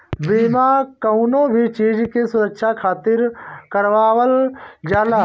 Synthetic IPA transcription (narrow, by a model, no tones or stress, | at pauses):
biːmakəʊnõbʱit͡ʃeːd͡ʒkesʊɾəkʃakʰaːt̪ɪɾkəɾʋaːʋəld͡ʒaːlaː